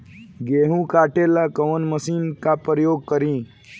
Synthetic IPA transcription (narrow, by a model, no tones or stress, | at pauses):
ɡeːɦũkaːʈelakəʋənməsiːnkapɾəjoːɡ̚kəɾĩː